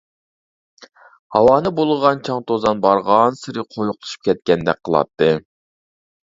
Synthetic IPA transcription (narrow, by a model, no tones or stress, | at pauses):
hɑwɑːnɨbolˠʁɑnt͡ʃʰɑŋt̪ʰozɑnbɑɾʁɑnsɨɾɨqʰojuqlˠʰɨ̥ʃu̥p̚kʲʰɛt̪̚kʲɛnd̪ɛk̚ʲqʰəlˠɑ̰t̪ʰːɨ